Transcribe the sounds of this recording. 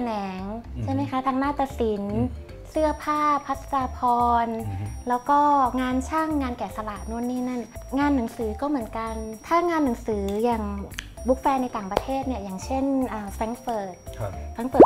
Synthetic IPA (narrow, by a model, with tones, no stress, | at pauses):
nɛː˩˦ŋt͡ɕʰa˥˩jma˦˥jkʰa˦˥t̪ʰaː˧ŋnaː˥˩t̪aː˧si˩˦n | sɯ˥˩ɐpʰaː˥˩pʰa˦˥t̪̚saː˧pʰɔː˧nlɛː˦˥wkɔː˥˩ŋaː˧nt͡ɕʰaː˥˩ŋːaː˧nkɛː˨˩sa˧la˨˩ʔnu˦˥˩ənːiː˦˥˩na˥˩nŋaː˧nːa˩˦ŋsɯː˩˦kɔː˥˩mɯ˩˦ənka˧nt̪ʰaː˥˩ŋaː˧nːa˨˩˦ŋsɯː˩˦jaː˨˩ŋ | bu˦˥k̚fɛː˧nːa˧jt̪aː˨˩ŋpɾa˧t̪ʰeː˥˩t̪̚ni˥˩ɐjaː˨˩ŋt͡ɕʰe˥˩nʔɤː˨˩fɾɛ˧nfɤː˨˩t̪̚ʰɾa˧ŋfɤː˨˩